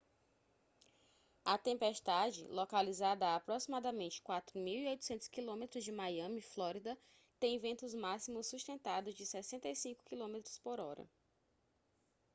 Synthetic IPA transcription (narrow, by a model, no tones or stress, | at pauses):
ɐt̪ẽmpest̪ad͡ʒɪ̰lɔkalizad̪ɐaːpɾɔsimad̪ɐmẽnt͡ʃɪ̥kwat̪ɾʊmiwiojt̪u̥sẽnt̪ʊ̥skilõmet̪ɾʊzd͡ʒɪmajɐ̃miflɔɾid̪ɐ | t̪ẽj̃vẽnt̪ʊzmasimʊsːuʃt̪ẽnt̪ad̪ʊzd͡ʒɪsɛsẽnt̪ejsĩŋkʊ̥kilõmet̪ɾʊ̥spoɾɔɾɐ̰